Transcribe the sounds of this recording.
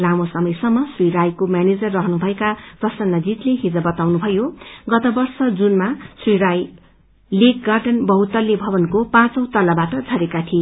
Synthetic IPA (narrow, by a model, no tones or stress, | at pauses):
lamosʌmʌjsʌmːʌsriɾajkomjaned͡zʌrːʌɦʌnubʱʌekaprʌsʌnːʌd͡zit̪leɦid͡zʌbʌt̪awnubʱʌjoɡʌt̪ʌbʌrsʌd͡zunmasriɾaj | lek̚ɡarɖʌnbʌɦut̪ʌlːebʱʌbʌnkopãt͡sʌwt̪ʌlabaʈʌd͡zʱʌɾekat̪ʰi